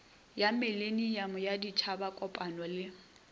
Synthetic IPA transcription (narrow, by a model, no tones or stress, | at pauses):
jamɪlenijamʊjadit͡ʃʰabakʼɔpʼanɔlɪ